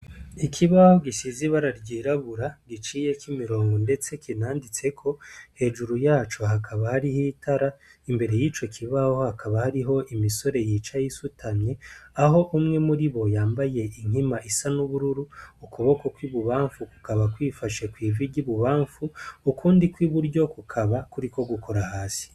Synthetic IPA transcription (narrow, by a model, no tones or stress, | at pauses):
ikʰiβaho̞ɡisiziβaɾaɾɟiːɾaβuɾaɡit͡ʃiːje̞kimiɾo̞ːŋɡo̞nde̞t͡se̞kinaːndit͡se̞kʰo̞he̞ːʒuɾujaːt͡ʃo̞ɦakʰaβahaɾihiːtʰaɾaimbe̞ɾe̞jiːt͡ʃo̞kʰiβaho̞hakʰaβahaɾiɦo̞ʔimiso̞ɾe̞jiːt͡ʃajisutʰanɲe̞aɦo̞ʔumŋe̞muɾiβo̞jaːmbaje̞ʔiŋ̥himaʔisanuβuɾuɾuːkuβo̞ko̞kwiβuβaːɱfuku̥kaβakwiːfaʃe̞kwiːviɟiβuβaːɱfuukuːndikwiβuɾɟo̞kukʰaβakuɾiko̞ɡukʰo̞ɾahaːsi̥